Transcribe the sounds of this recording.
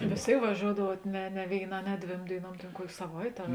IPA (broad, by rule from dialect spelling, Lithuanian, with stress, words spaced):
ʋʲeːs ˈtʲeːɪk ʋɐˈʒʲoːʊɔdɐʋuɔt ˈnʲɛ nʲɛ ʋʲeːɪˈnɑː nʲɛ ˈdʲʋʲeːm dʲeːɪˈnuɔm ˈtʲeːn ˈkuɔkʲeː sɐˈʋɐɪtʲeː ɐr